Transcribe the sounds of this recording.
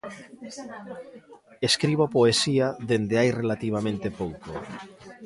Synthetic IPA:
eskɾiβopoesiaðend̪eajrelat̪iβ̞amẽnt̪epowko

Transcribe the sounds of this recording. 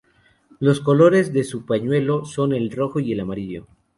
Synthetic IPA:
lo̞sko̞lo̞ɾe̞zðe̞supaɲwe̞lo̞so̞ne̞lro̞xo̞ie̞lamaɾiʎo̞̰

